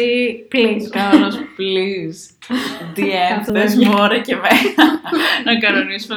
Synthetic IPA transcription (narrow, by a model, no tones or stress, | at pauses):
ipliskɐlɐspliz | d̪ienðezmoɾɐcemenɐnɐkɐɾonisume